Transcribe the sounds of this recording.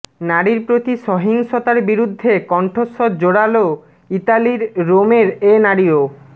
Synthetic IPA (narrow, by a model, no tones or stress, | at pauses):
naɽiɾpɾot̪iʃɔɦiŋʃot̪aɾbiɾud̪ʱːekɔɳʈʰosːod͡ʑoɽalo | it̪aliɾːomeɾenaɽio